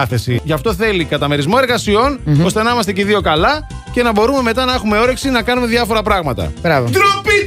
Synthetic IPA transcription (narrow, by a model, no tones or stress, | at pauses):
ɐθe̞siʝɐft̪o̞θe̞likɐt̪ɐme̞ɾizmo̞e̞ɾɣɐsio̞no̞st̪enɐimɐst̪eceðio̞kɐlɐ | ce̞nɐbo̞ɾume̞me̞t̪ɐnɐe̞xume̞o̞ɾeksinɐkɐnume̞ðjɐfo̞ɾɐpɾɐɣmɐt̪ɐ̰bɾɐvod̪ɾopi